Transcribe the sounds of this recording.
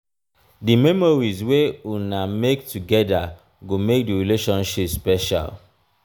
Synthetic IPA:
dimɛmɔɹizweunamektuɡɛda̰ | ɡomek̚diɹileʃɔ̃nʃipspɛʃa̰l

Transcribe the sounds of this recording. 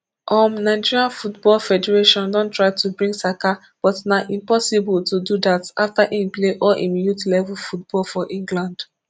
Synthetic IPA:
ʔɔ̃mnaɪd͡ʒiɹiãnfutbɔlfɛdɛɹeʃɔ̃ndɔ̃ntɹaɪtubɹĩŋɡsaka | b̥ɔtnaʔĩmpɔsibɔltududataftaʔĩnpleʔɔlʔḭminjutilɛvulfutb̥ɔlˠfɔʔĩŋɡlãnd

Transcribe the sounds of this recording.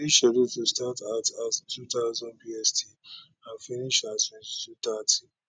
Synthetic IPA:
iʃɔdetustatatastutaʊzɔ̃npiɛstʰi | anfiniʃasĩtutati

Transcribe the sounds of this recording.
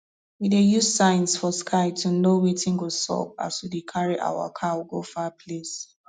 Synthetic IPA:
widejuzsãɪ̃nsfɔskʰaɪtʰunowitɪ̃nɡosɔ̰ba̰swidekʰaɹiʔa̰wa̰kʰawuɡofapʰles

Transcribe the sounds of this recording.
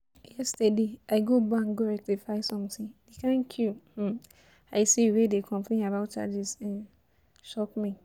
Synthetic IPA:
jɛstɛdeaɪɡobaãnɡoɹɛk̚tifaɪsɔ̃mtĩŋdekʰãnkʰũ | aɪsiwedekʰɔ̃mpʰlẽnabaʊt̚t͡ʃa̰d͡ʒisɛ̃n | ʃɔpmĩ

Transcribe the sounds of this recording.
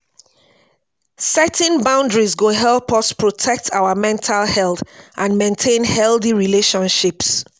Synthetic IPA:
sɛtʰɛ̃nbãʊ̃ndɹizɡoɦɛlˠpɔspʰɹɔtʰɛk̚tʰaʊəmɛ̃ntʰalhɛlˠθʔãnmẽntʰẽnhɛlˠθiɹileʃɔ̃nʃips

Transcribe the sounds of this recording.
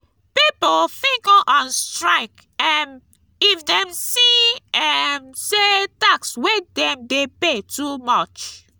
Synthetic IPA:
pipofĩɡɔʔɔ̃nstɹaɪk | ɛ̃n | ifdɛ̃msiɛmsetakswedɛ̃mdepetumɔt͡ʃ

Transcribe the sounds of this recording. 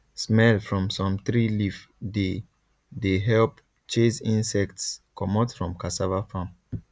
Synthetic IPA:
smɛlfɹɔ̃msɔ̃mθɹilif | de | deɦɛlp | t͡ʃesĩnsɛk̚tskʰɔmɔtfɹɔ̃mkasavafãm

